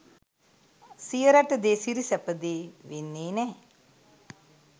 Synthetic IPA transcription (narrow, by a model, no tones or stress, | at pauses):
sijəɾaʈəd̪eːsiɾisæpəd̪eːʋenːeːnɛː